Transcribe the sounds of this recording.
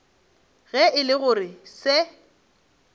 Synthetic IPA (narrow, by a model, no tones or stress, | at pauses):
ɣɛɪlɪɣʊrɪsɪ